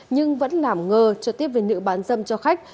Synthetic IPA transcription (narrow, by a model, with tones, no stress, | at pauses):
ɲɨ˧ŋvə̰˧˥nlaː˨˩mŋəː˨˩t͡ɕɔ˧˩t̪i˦əp̚ve˨˩nɨ̰˧˥ɓaː˨˦nzə̰˧˨mt͡ɕɔ˧xa˦˥jk̟̚